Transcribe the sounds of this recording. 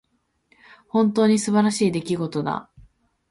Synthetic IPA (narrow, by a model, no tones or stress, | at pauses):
hõ̞nt̪o̞ːɲ̟isɨbaɾaɕiːd̪e̞kʲiɡo̞t̪o̞d̪a̰